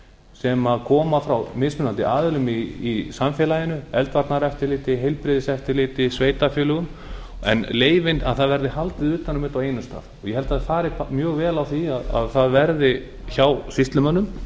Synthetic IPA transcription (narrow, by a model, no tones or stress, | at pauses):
sɛmaðkʰɔːmafɾawmɪsmʏnant̪ɪ̰ʔaːðɪlʏmiisamfɛːlajɪnʏɛlt̪vaɾt̪naɾɛft̪ɪɾlɪːt̪ɪɦejlpɾɪðɪsɛft̪ɪɾlɪːt̪ɪsveːjt̪afjʏːlʏɣʏm | ɛ̰nleːjvɪnaðθaðvɛɾðɪhalt̪ɪðʏːt̪anʏmɪːt̪awejnʏst̪a̰ːðɔɣjɛhɛlt̪aðfaːɾɪpmjœːɣvɛːlawθiaða̰ðθaðvɛɾðɪ | çawsist̪lʏmœnːʏm